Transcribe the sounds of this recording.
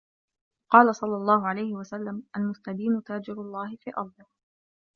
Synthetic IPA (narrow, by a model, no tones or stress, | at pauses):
qɑːlasˤɑlːɑlˤːɑːhʊʕalajhɪwasalːamʔalmʊst̪ad̪iːmʊt̪aːd͡ʒɪɾʊlˤːɑːhɪfiːʔɑɾˤd̪ˤɪh